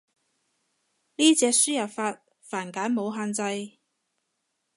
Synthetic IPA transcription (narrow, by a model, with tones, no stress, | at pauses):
niː˥t͡sɛː˧k̚syː˥jɐ˨˩pfaː˧t̚ | faː˨˩nkaː˨˥nmo˨˧wɦaː˧nt͡sɐ˧j